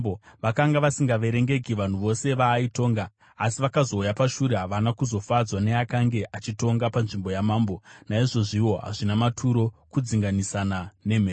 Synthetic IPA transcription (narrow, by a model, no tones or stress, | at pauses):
oʋakaŋɡaʋasiŋɡaʋe̞ɾe̞ŋɡe̞ɡʱiʋan̤uʋo̞se̞ʋaːito̞ːŋɡaː | siʋakazo̞ːjapaʃuɾeɦaʋanakuzo̞fad͡zwane̞akaŋɡe̞ʔat͡ʃito̞ŋɡapanʐimbo̞jamaːmbo̞naiʐo̞ʐiwo̞ɦa̰ʐinamatʰuɾo̞kud͡ziŋɡanisanane̞m̤eː